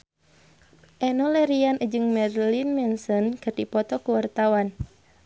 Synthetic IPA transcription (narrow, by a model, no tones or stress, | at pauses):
ʔɛnɔlɛɾianʔəd͡ʒɨŋmɛrlinmɛnsɔnkɨrdipɔt̪ɔkuwart̪awan